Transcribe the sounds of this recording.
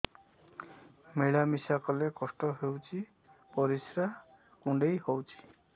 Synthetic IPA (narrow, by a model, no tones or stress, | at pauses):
meɭamisakɔlekɔsʈɔɦewt͡ʃʰi | pɔɾisɾa | kuɳɖejhowt͡ʃʰi̥